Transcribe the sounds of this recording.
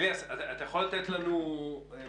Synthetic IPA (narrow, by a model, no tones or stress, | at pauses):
vasatːt̪ajaχolat̪et̪lanu